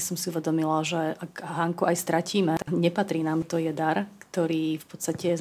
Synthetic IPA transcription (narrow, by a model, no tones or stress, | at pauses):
sɔmsiuʋɛd̪ɔmilaʒɛʔakɦaŋkuajst̪ɾaciːmɛaɲɛpat̪ɾiːnaːmt̪ɔjɛd̪aɾkt̪ɔɾiːfpɔt̪st̪acɛ